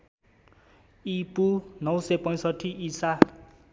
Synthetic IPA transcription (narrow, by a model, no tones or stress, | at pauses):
ipunʌwsepɔj̃sɔtʰiʔisa